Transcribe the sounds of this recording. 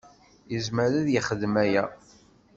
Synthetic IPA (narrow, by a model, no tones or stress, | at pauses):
əzməɾæðjəχəðːmæjæ